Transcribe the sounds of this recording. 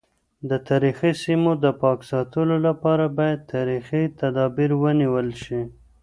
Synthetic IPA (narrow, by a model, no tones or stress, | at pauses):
d̪ət̪ɑɾixisimod̪əpɑksɑt̪əlolapɑɾabɑjad̪̚t̪ʰɑɾixit̪ad̪ɑbiɾwəniwəlʃi